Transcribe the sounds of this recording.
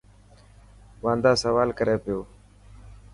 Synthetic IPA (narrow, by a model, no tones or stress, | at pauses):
ʋãːnd̪aːsəʋaːlkəɾeːpɪjoː